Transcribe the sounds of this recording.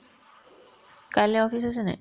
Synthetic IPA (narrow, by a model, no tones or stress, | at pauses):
kaleɔfisasenɛ̰